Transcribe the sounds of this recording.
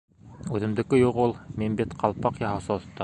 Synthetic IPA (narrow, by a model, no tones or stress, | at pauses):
ʉðɘ̆md̪ɘ̆kɘjuqulˠminbit̪qʰɑlˠpɑqjɑɦɑ̆wsɑt̪ːɑ